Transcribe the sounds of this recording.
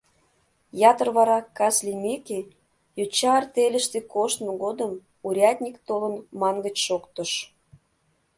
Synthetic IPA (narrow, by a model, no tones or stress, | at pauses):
jɑt̪ərβɑɾɑkːɑslʲimekʲe | jut͡ɕɑrt̪elʲə̆ʃt̪ekoʃt̪moɣod̪əm | uɾʲɑt̪ʲnʲikt̪olənmɑŋɡət͡ɕʃokt̪ə̆ʃ